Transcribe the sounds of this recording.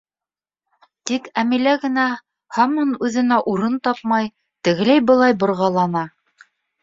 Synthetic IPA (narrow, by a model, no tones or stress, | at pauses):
t̪ikæmilæɡɘ̆næ | hɑmonʉðɘ̆næʔuɾɤnt̪ɑp̚mɑj | t̪ɘ̆ɣɘ̆læjbɤ̆lˠɑjbŏɾʁɑlˠɑnɑ